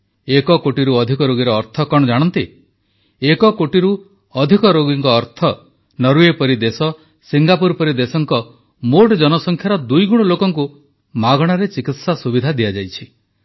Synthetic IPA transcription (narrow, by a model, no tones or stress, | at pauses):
ekɔkoʈiɾuɔd̪ʱikɔɾoɡiɾɔːɾt̪ʰɔkɔɽɔd͡ʒaɽ̃ɔnt̪i | ekɔkoʈiɾu | ɔd̪ʱikɔɾoɡiŋkɔːɾt̪ʰɔ | nɔɾuepɔɾid̪esɔ | siŋɡapuɾpɔɾid̪esɔŋkɔ | moʈd͡ʒɔnɔsɔŋkʰjaɾɔd̪ujɡuɽ̃ɔlokɔŋku | maɡɔɽ̃aɾet͡ʃikit̪sasubid̪ʱad̪ijad͡ʒajt͡ʃʰi